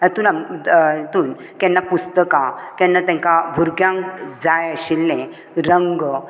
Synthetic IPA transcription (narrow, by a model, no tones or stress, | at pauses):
ət̪uːnamt̪uːn | kɛ̃nːapust̪əkakɛ̃nːat̪ɛ̃ŋkabʱuɾɡjãŋkd͡zajəɕilːẽ | ɾəŋɡ